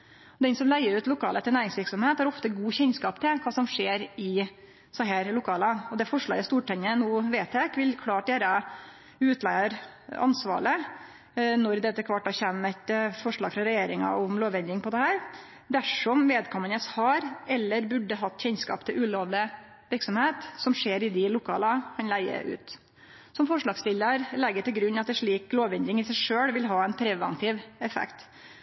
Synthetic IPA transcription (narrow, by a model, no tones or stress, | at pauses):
ɔd̪ɛnsɔmlæɪəɾʉːt̪lʊkʰɑːlət̪ʰɪlnæːɾɪŋsʋɪɾksɔmheːt̪hɑɾɔft̪əɡuːçɛnskɑːpt̪ʰɪlkʰɑːsɔmʂeːɾɪ | sɔɦæːɾlʊkʰɑːlɑɔd̪ɛfɔʂɭɑ̰ːɡəst̪uːʈʰɛɲːənuːʋeːt̪ʰekʋɪlkʰlɑːʈd̪eːɾə | ʉːt̪ʰlæɪɑɾɑ̰nsʋɑ̰ːɭə | nɔɾd̪ɛt̪ːəkʰʋɑʈːɑçæmːɛt̪fɔʂɭɑːɡfɾɑɾɛjeːɾɪŋɑ̰ʊmloːʋɛnd̪ɪŋpʰɔd̪ɛhæːɾ | d̪æʂɔmʋeːd̪kʰɔmːənəshɑɾɛlːəɾbʉɖːəɦɑt̪ːçɛnskɑ̰ːpt̪ʰɪlʉːloːʋlɪ | ʋɪɾksɔmheːt̪sɔmʂeːɾɪd̪ɪlʊkʰɑːlɑhɑnlæɪə̰ʔʉ̰ːt̪ | sɔmfɔʂɭɑːɡst̪ɪlːəɾlɛɡːəʈ̪ɪlɡɾʉnːɑt̪̚d̪ɛʂɭiːkloːʋɛnd̪ɪŋɪsæɪʂøːɽʋɪlɦɑːɛnpʰɾɛʋɑ̰nt̪ʰɪːʋɛfɛ̰kt̪